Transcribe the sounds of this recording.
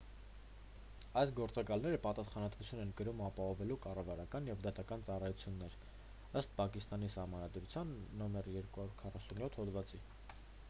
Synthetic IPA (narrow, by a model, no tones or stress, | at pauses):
ɑjsɡɔɾt͡sɑkɑlnɛɾəpɑt̪ɑsχɑnɑt̪vut͡sʰjunɛnkəɾumɑpɑhɔvɛlukɑrɑvɑɾɑkɑnjɛvd̪ɑt̪ɑkɑnt͡sɑrɑjut͡sʰjunːɛɾ | əst̪̚pʰɑkist̪ɑnisɑhmɑnɑd̪ɾut͡sʰjɑnːɔmɛrjɛɾkuhɑuɾkʰɑrɑsunjɔt̪ʰhɔd̪vɑt͡si